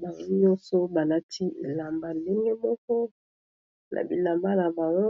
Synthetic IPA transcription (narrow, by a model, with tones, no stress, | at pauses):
ba˨˦i˦jo˦so˦ba˨na˦tʰi˦˨la˨mba˦˨˦le˦ŋɡe˦mɔ˦kɔ˦ | nʔa̰˨bi˨la˨mba˦la˨mba˨wo˦